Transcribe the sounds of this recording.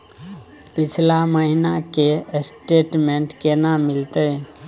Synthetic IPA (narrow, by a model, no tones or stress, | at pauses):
pɪt͡ʃʰlaməɦinakesʈeːʈmẽɳʈkenamɪlt̪e